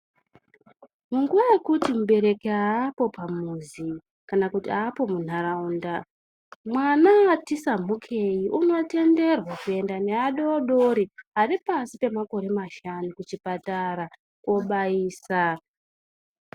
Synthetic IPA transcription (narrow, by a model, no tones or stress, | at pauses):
muŋɡuʋaje̞kutimuɓe̞ɾe̞keaːpo̞pamuzi | kanakutiaːpo̞mun̤aɾaunda | mwanaatisam̤ukʰe̞jiʔuno̞te̞nde̞rwakue̞ndane̞aɗeoɗo̞ɾiɦaripasipe̞mako̞ɾe̞maʃanukut͡ʃipataɾa | kwo̞ɓaiːsa